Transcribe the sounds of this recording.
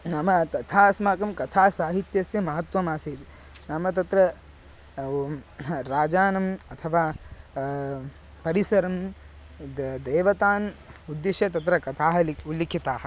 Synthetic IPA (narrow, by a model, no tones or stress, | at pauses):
nɐmɐt̪ɐt̪ʰaːɐsmaːkɐmkɐt̪ʰaːsaːɦit̪jɐsjɐmɐɦɐt̪ʋɐmaːsiːt̪ | namɐt̪̬ɐt̪ɾɐ | ɾaːd͡ʒaːnɐmɐt̪ʰɐʋaː | pɐɾisɐɾɐm | d̪eːʋɐt̪aːnud̪ːiʃjɐt̪ɐt̪ɾɐkɐt̪ʰaːɦɐlulːikʰit̪aːɦɐ̆